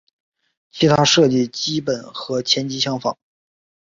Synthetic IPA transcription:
t͡ɕʰi˧˥t̪ʰa˥ʂɤ˥˧t͡ɕi˥˩t͡ɕi˥pə˨˩nxɤ˧˥t͡ɕʰjɛ˧˥nt͡ɕi˥ɕjɑ˥ŋfɑ̰˨˩˦ŋ

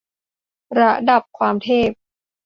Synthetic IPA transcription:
ɾa˦˥da˨˩p̚kʰwaː˧mt̪ʰeː˥˩p̚

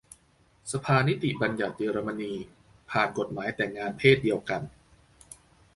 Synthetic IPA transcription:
sa˧pʰaː˧ni˦˥t̪i˨˩ba˧nja˨˩t̪̚jiː˧ɾa˧ma˧niː˧ | pʰaː˨˩nko˨˩t̪̚maː˩˦jt̪ɛː˨˩ŋaː˧npʰeː˥˩t̪̚di˧əwka˧n

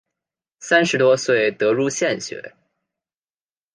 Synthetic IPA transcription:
sa˥nʂɻ̩˧˥t̪wɔ˥swe˥˩ɪt̪ɤ˧˥ɻu˥˧ɕjɛ˥˩nɕɥɛ̰˧˥

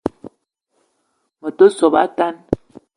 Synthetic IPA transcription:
mo˨to˦so˨ba̰˦ta˦n

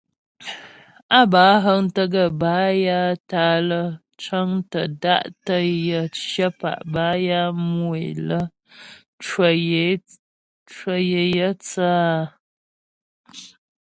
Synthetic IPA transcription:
a˦˨baː˨˦ɦə˦ŋ˦tə˦ɡə˦˨baː˨˦ja˦taː˦lə˦ | t͡ʃə˦ŋtə˨da̰˦ʔtə˦jə˦ʃə˦pa̰˨ʔbaː˨˦ja˦mu˦˨ḛ˨lə˦ | t͡ʃə˨je˨˦ | t͡ʃə˦je˨jə˦t͡saː˦˨

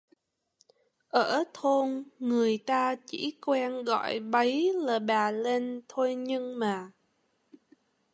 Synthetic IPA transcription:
ʔəː˧˩t̪ʰo˧nŋɨ˨˩əjt̪aː˧t͡ɕḭ˧˥kwɛ˧nɣɔ̰˧˨jɓə˨˦jlaː˨˩ɓaː˨˩le˧nt̪ʰo˧jɲɨ˧ŋmaː˨˩

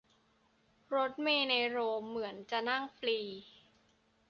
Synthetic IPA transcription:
ɾo˦˥t̪̚meː˧na˧ɾoː˧mːɯ˩˦ənt͡ɕa˨˩na˥˩ŋfliː˧

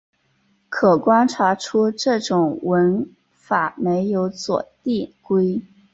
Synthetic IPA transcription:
kʰɤ˨˩kwa˥nʈ͡ʂʰa˧˥ʈ͡ʂʰu˥ʈ͡ʂɤ˥˩ʈ͡ʂʊ˨˩ŋwə˧˥n | fa˨˩me˧˥ɪjo˧˥ʊt͡swɔ̰˨˩t̪i˥˩kwe˥ɪ

